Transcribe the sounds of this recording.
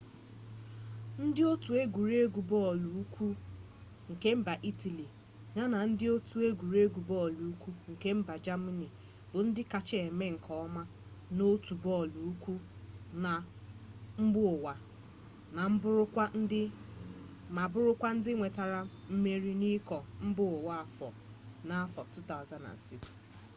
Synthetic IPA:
n̩˦dɪ˦o˦tu˨e˦ɡʷu˨ɾe˦ɡu˨bɔ˦˨lu˨u˦kʷʰu˦ | ŋ̩˨ke˦m̩˦ba˨ʔi˦ti˨li˨ | ɲa˦na˨n̩˦dɪ˦o˦tu˨e˦ɡʷu˨ɾe˦ɡu˨bɔ˦˨lu˨u˦kʷu˦ŋ̩˨ke˦m̩˦ba˨d͡ʒa˦ma˦ni˨ | b̥ʊ˨n̩˦dɪ˦ka˨t͡ʃɪ˦e˨me˦ŋ̩˨kʰɔ˨˦ɔ˦ma˦ | no˦tu˨bɔ˦lu˨u˦kʷu˦na˨ | m̩˦bʊ˦ʊ˨wa˨ | na˨m̩˦bʊ˦ɾʊ˦kʷa˦ɪ˦ | ma˨bʊ˦ɾʊ˦kʷa˦n̩˦dɪ˦ŋʷe˨ta˨ɾa˦m̩˦me˦ɾi˦ni˦kɔ˨m̩˦bʊ˦˨wa˦a˨fɔ̰˨ | na˦a˦fɔ˨tu˦ta˦ʊ˨za˨nda̰˨nsi˦ks

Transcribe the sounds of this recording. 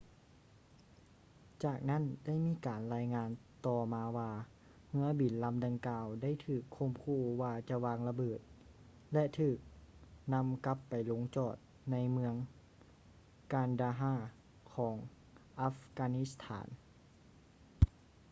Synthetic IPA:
t͡ɕaː˨˩k̚na˥˨nda˥˩˨jmiː˧˥˨kaː˨˩nlaː˧jŋaː˧nt̪ɔː˧˩maː˧waː˧ | mɯ˧˥ɐbi˨˩nla˧˥mda˧ŋkaː˧wda˥˨jt̪ʰɯː˨˩kʰːo˧˥˩mkʰuː˧˩waː˧t͡ɕa˧˦waː˧ŋla˧bɤː˨˩t̪̚ | lɛ˧ʔt̪ʰɯː˨˩k̚na˧˥mka˧˦˥pːa˨˩jlo˨˧˦ŋt͡ɕɔː˨˩t̪̚ | na˧˥jmɯ˧əŋ | kaː˨˩ndaː˧ɦaː˧˥˩ | kʰɔː˩˦ŋ | ʔa˧˥fkaː˧ni˧˥st̪ʰa̰ː˩˦n

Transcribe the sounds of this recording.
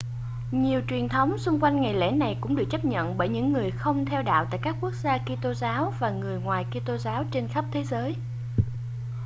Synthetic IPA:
ɲi˨˩əwt͡ɕwi˨˩ənt̪ʰə˨˦wŋ͡msʊ˧ŋ͡mkwa˧jŋ̟ŋa˨˩jlḛ˧˥na˨˩jkʊ̰˧˥ŋ͡mɗɨ˨˩k̚t͡ɕə˦˥p̚ɲə̰˧˨nɓəː˧˩jɲɨ̰˧˥ŋːɨ˨˩əjxə˧wŋ͡mt̪ʰɛ˧wɗa̰ː˧˨wt̪a̰ː˧˨jkaː˦˥kːu˦˥ək̚zaː˧ki˧t̪o˧zaː˨˦wvaː˨˩ŋɨ˨˩əjŋwaː˨˩jki˧t̪o˧zaː˨˦wt͡ɕe˧nxə˦˥p̚t̪ʰe˨˦zəː˨˦j

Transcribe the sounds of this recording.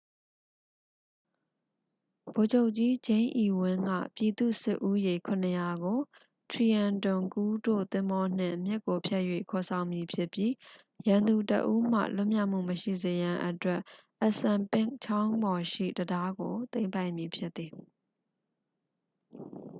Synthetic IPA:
b̥o˨d͡ʑo˦ʊʔt͡ɕi˦d͡ʑẽ˦ɪ̃ʔi˨wɪ̃˦ŋɡä̰˦˨pji˨d̪ṵ˦˨sɪ˦ʔu˦je˨kʰʊ̃˨nəja˨ɡo˨ | tʰɹi˨ã˨ntʊ̃˨ŋku˦do̰˦˨t̪ɪ̃˦mbɔ˦n̥ɪ̰̃˦˨mjɪ˦ʔkːo˨pʰjɛ˦ʔjwḛ˦˨kʰɔ˨sʰã˨ʊ̃mji˨pʰjɪ˦˨pji˦ | jã˨nd̪u˨tə̰˨ʔu˦m̥ä̰˦˨lʊ˦ʔmja˦˨ʔm̥ṵ˦˨məʃḭ˦˨ze˨jã˨ʔətwɛ˦ʔ | ʔə˦˨sã˨mpɪ̃˦˨ŋt͡ɕʰã˦ʊ̃mbɔ˨ʃḭ˦˨dəda˦ɡo˨t̪ẽ˦ɪ̃mpa˦ɪ̃mji˨pʰjɪ˦t̪ːi˨

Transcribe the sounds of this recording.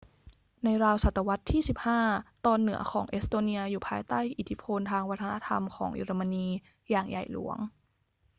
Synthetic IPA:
na˧jɾaː˧wsa˨˩t̪ːa˧wa˦˥t̪ʰːiː˥˩si˨˩p̚haː˥˩t̪ɔː˧nːɯ˩˦ɐkʰɔː˩˦ŋʔe˦˥st̪oː˧ni˧ɐjuː˨˩pʰaː˧jt̪aː˥˩jʔi˨˩t̪ʰːi˦˥pʰo˧nt̪ʰaː˧ŋwa˦˥t̪ʰːa˧na˧˥t̪ʰa̰˧mkʰɔː˩˦ŋʔḭ˧ɾa˧ma˧niː˧ | jaː˨˩ŋja̰˨˩jlṵ˩˦əŋ

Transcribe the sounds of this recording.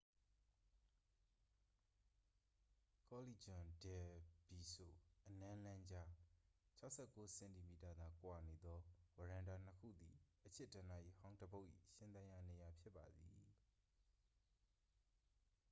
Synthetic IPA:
kɔ˦li˦˨d͡ʑʊ̃˨dɛ˨bi˨so̰˦˨ʔənã˦lã˦ɲd͡ʑa˦t͡ɕʰa˦ʊʔsʰɛ˦˨kːo˦sɛ̃˨nti˨mi˨ta˨d̪ã˨kwa˨ne˨d̪ɔ˦wə˨ɹã˨nda˨n̥əkʰṵ˦˨d̪i˨ʔət͡ɕʰɛ˦˨dã˨na˦˨ʔḭ˦˨hã˦ʊ̃ndəbo˦ʊʔḭ˦˨ʃɪ̃˦nt̪ã˦ja˨ne˨ja˨pʰjɪ˦pːa˨d̪ḭ˨

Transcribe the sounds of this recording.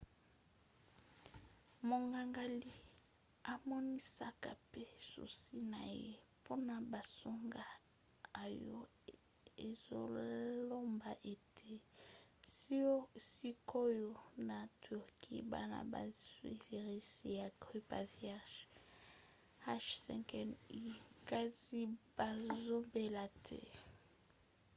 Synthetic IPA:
mo˨ŋɡa˨ŋɡa˨li˦ | a˨mɔ˦ni˦sa˦ka˨pe˦sṵ˨si˦na˨jḛ˦ | pʰo˦na˨ba˨so˦ŋɡa˦ | a˨jo̰˦ | e˨zo̰˦lo˦mba˨ʔe˨tʰe˦ | si˦o˦˨si˦kʰo˦jo˦na˨tʰu˨ʁkʰḭ˦ba̰˦na̰˨ba̰˨zwḭ˦le˨ʁi˦si˦ja˨ɡʁi˦pa̰˨vja˦ʃ | ha˦ʃsɛ̰˨ŋkɛ˨ni˦˨ka˦zi˦b̥a˨zo˦mbe˨la˨tʰɛ̰˦

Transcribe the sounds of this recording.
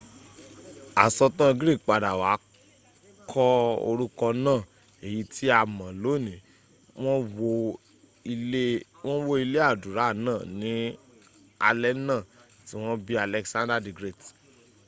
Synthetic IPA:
a˨sɔ˧tã˦˧ɡɾi˦˨kk͡pa˨da˨waː˨˦ | kʰɔ˦o̰˧ɾu˦kɔ˧nãː˦˨ | e˨ji˨˧tʰi˨˦a˧mã˨lo˦˨nĩ˨ | w̃ɔ̃˦wo˧ | e˦ | w̃ɔ̃˦wo˦i˧le˦a˦˨du˨ɾa˨˦˨nãː˦˨nĩ˨˦ | a̰˧lɛ˦nã˦˨ | ti˦w̃ɔ̃˦bi˦a˧lɛ˧ksã˦ndɾa˦di˨ɡɾe˦˨t

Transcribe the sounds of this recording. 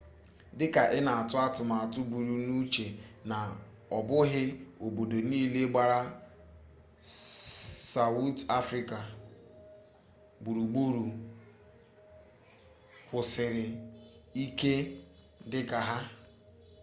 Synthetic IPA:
dɪ˦ka˨ʔɪ˦na˨a˨tʊ˦a˦tʊ˨ma˨a˨tʊ˦bu˨ɾu˨nu˦t͡ʃe˨na˨ | ɔ˨bʊ˦ɦɪ˦o˨bo˨do˨niː˦le˦ɡ͡ba˨ɾa˦ | sa˨wu˦ta˦fɾi˦ka˨ | bu˨ɾu˨ɡ͡bu˦ɾu˨ | kʷʊ˨sɪ˨ɾɪ˨i˦ke˦ | dɪ˦ka˨ɦa˦

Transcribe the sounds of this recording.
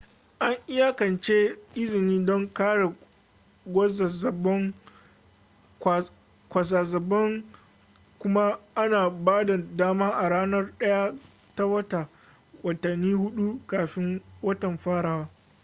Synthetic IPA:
ʔa˦ŋʔɪ˦ja˦kɐ˨nt͡ʃeː˦ʔɪ˦zɪ˨niː˦dɔ˦ŋkaː˦ɽe˨ | ɡʷɐ˦za˨zɐ˨bɔ˦ŋ˨ | kʷa˨s̬aː˨zɐ˨bɐ˦ŋ | kʷʊ˦ma˦ʔa˦naː˨baː˦da˨daː˦maː˦ʔa˨ɽaː˦nɐ˦rɗɐ˦ja˦ | ta˦wɐ˦ta˨ | wɐ˨tɐ˨nːiː˦hʊ˦ɗu˦kaː˨ɸɪ˦ŋwɐ˦tɐ˨mɸaː˦ɽaː˨waː˦

